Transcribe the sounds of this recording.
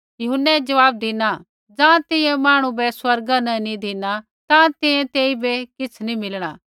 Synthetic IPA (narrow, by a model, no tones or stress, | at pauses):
jɐɦʊnːɛd͡ʒɐʋaːb̚d̪ɪna | d͡zãːt̪ɪ̃ɛ̃maːɽ̃ũbɛswɐɾɡanɛ̃nĩd̪ʱiːna | t̪ãt̪ɪ̃ẽt̪eːibɛkɪt͡sʰnĩmɪlɽ̃a̰ː